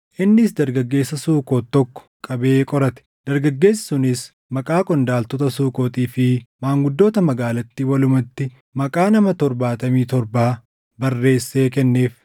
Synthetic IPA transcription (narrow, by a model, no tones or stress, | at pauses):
ʔɪnːɪsd̪ɐɾɡɐɡːe̞ːsːɐsuːkoːt̪ːɔkːɔ̥kʼɐbe̞ːkʼɔɾɐt̪ɛ̥d̪̥ɐɾɡɐɡːe̞ːssʊnɪs | mɐkʼaːkʼɔnd̪aːlt̪ɔt̪ɐsuːkʼoːt̪ʼiːfɪmaːŋɡʊd̪ːo̞ːt̪ɐmɐɡaːlɐt̪ːiːwɐlʊmɐt̪ːɪ | mɐkʼaːnɐmɐt̪ɔɾbaːt̪ɐmiːt̪ɔɾbaː | bɐrːe̞ːsːe̞ːkɛnːe̞ːf